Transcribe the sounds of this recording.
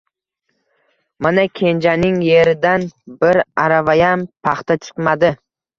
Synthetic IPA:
manakʲʰe̞nd͡ʒanɪŋje̞ɾɪd̪anbɪɾaɾavajampʰaχt̪at͡ʃ̪ʰʊ̥qmad̪ɪ

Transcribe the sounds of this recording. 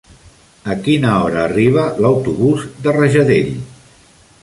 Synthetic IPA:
əkinəɔɾəːriβ̞ələwt̪uβuzd̪ərəʒəðeʎ

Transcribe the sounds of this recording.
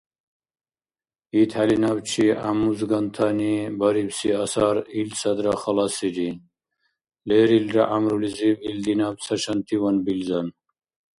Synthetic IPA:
it̪ʰhalinaːbt͡ɕʰia̰muzɡɐnt̪ʰanibɐɾibsiɐsaːɾilsɐd̪ɾaxɐlasid͡ʑin | leːɾilɾɐʔamɾulizibild̪inaːb̚t͡sʰɐɕɐnt̪ʰiwɐnbilzɐn

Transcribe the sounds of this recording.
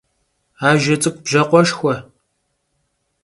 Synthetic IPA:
aːʒɐt͡sʼɨkʷbʒɐqʷɔʃxʷɐ

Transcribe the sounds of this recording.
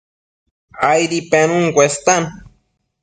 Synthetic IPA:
ajɾipenuŋkʷest̪an

